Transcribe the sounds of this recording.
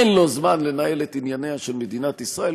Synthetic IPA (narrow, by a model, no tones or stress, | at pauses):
enlo̞zmanle̞nae̞let̪injane̞haʃe̞lme̞d̪inat̪isʁae̞l